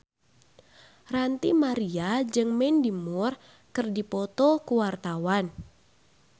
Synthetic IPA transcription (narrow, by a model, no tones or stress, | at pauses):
rant̪imaɾiad͡ʒɨŋmɛndimur | kɨrdipɔt̪ɔkuwart̪awan